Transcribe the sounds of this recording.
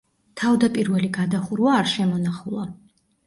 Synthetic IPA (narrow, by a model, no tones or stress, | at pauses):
t̪ʰavd̪apʼiɾvɛliɡad̪aχuɾvaːɾʃɛmɔnaχulˠa